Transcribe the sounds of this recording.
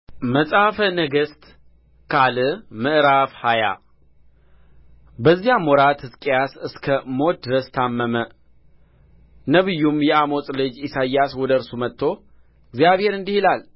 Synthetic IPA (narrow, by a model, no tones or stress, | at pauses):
məsʼafənəɡəst̪ | kʰalɨmɨʔɾafhaja̰ | bəzːijamɔɾat̪hɨskʼjasɨskʰəmo̞t̪̚d̪ɨɾəst̪ʰamːəmə | nəβɨjːumjɛamo̞t̪ʼlɨd͡ʒisajːaswɔd̪əɨɾsumət̪ʰːo̞ | ɪɡzijaβhe̞ɾɨnd̪ihilal